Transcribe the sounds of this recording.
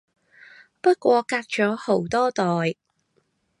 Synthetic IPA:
pɐ˥t̚kʷɔː˨˧kaː˧k̚t͡ʃɔː˨˥ho˨˥wt̪ɔː˥t̪ɔː˨j

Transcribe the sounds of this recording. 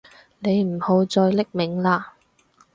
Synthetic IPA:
ne˨˧jm̩˨˩ho˨˧wt͡sɔː˧jlɪ˥k̚mɪ˨˥ŋlaː˧

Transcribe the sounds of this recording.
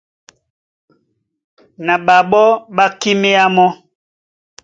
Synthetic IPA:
na˨ɓa˨ɓɔ˦ɓa˦ki˦me˦a˦mɔ˦

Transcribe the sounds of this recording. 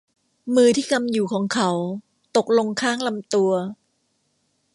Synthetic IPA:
mɯː˧t̪ʰiː˥˩ka˧mjuː˨˩kʰɔː˩˦ŋkʰa˦w | t̪o˨˩k̚lo˧ŋkʰaː˥˩ŋla˧mt̪u˧ɐ

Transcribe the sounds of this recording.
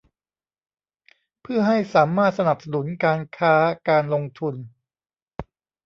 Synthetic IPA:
pʰɯ˥˩ɐɦa˥˩jsaː˩˦maː˥˩t̪̚sa˧na˨˩p̚sa˧nu˨˩˦nkaː˧nkʰaː˦˥kaː˧nlo˧ŋt̪ʰu˧n

